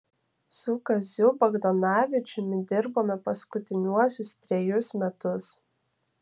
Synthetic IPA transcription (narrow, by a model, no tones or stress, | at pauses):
sʊkɐzʲʊbɐɡd̪ɔnɑːʋʲɪt͡ʃʲʊmʲɪd̪ʲɪɾboːmʲɛpɐskʊt̪ʲɪnʲuɔsʲʊst̪ʲɾʲɛjʊsmʲɛt̪ʊs